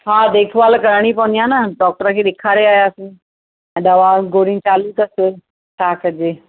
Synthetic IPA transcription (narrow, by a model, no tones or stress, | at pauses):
ɦaːd̪eːkʰʋaːlkɐɾəɽ̃ipɐʋənd̪ijãːnəɖɔːk̚ʈəɾəkʰeːɗekʰaːɾeaːjaɐsĩ | ɛ̃ɗɐʋaɡoːɾɪ̃ŋt͡ɕaːluk̪ɐsɪ | ʈʰaːkɐd͡ʑeː